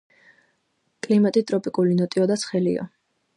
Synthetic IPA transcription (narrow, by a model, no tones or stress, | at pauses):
kʼlimat̪ʼit̪ʼɾɔpʼikʼulinɔt̪ʼiɔd̪at̪sʰχɛlḭa̰